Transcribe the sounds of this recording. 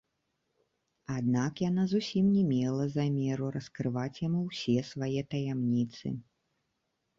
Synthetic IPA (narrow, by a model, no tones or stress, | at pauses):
ad̪nakjanazusʲimnʲɛmʲɛlˠɐzamʲɛɾuɾɐskɾɨvat͡sʲjamuwsʲɛsvajɛt̪ɐjamnʲit̪sɨ̰